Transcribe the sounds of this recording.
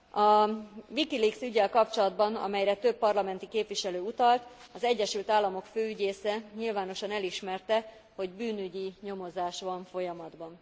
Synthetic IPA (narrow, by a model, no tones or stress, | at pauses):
ɒvikiliksyɟːɛlkɒpt͡ʃo̞lɒd̪bɒnɒ̰mɛjɾɛt̪ø̞pːɒrlɒmɛnt̪ikeːpviʃɛløːut̪ɒlt̪ɒzɛɟːɛʃylt̪aːlːɒmo̞kføːyɟeːsɛɲilvaːn̪o̞ʃɒnɛliʃmɛrt̪ɛ | ho̞ɟbyːnyɟiɲo̞mo̞zaːʃʋɒɱfo̞jɒmɒd̪bɒn